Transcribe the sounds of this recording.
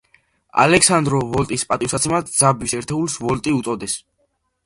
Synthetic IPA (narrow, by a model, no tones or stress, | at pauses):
a̰lɛksand̪ɾɔvɔlt̪ʼispʼat̪ʼifsat̪sʰɛmad̪zabisɛɾt̪ʰɛulˠsvɔlt̪ʼiut̪sʼɔd̪ɛs